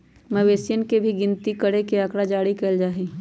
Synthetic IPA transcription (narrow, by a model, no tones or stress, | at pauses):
mɐʋeːsjənkebʱiɡɪnt̪ikəɽekeakɽad͡ʒaːɽikeld͡ʒaːɦiː